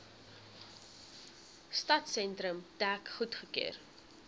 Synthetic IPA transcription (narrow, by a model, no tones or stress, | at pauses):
stɐtsɛntɾəmtækχutχəkḛːr